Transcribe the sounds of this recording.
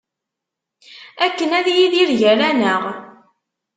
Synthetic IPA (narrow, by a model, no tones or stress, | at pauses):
ækːənæðjiðiɾʝəɾænəʁ